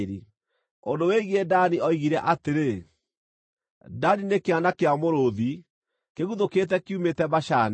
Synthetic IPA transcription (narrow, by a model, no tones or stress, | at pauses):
ɾi | ondoweɣiedaniɔiɣiɾɛʔateɾe | daninekeanakeamoɾoði | keɣuðoketɛkiumetɛbaʃan